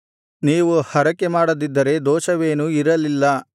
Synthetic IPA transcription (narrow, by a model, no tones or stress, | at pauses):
niːʋuhɐɾɐkːe̞maːɽɐd̪id̪ːɐɾe̞d̪ɔːʃɐʋe̞ːnuiɾɐlilːɐ